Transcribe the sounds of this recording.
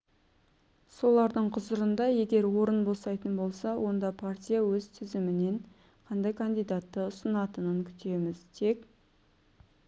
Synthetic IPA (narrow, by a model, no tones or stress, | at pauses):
so̞lˠɑɾd̪əɴqʰʊzəɾənd̪ɑje̞ɡʲe̞ɾwo̞ɾənbosɑjt̪ənbo̞lˠsɑwʔo̞nd̪ɑpʰaɾt̪ʲijawɵzt̪ʰʏzɪmɪne̞ɴ | qʰɑnd̪ɑjkʰand̪ijd̪at̪ːəʊsənɑt̪ənəŋkʲʰʏ̥t̪e̞mɪzt̪ʰe̞kʲ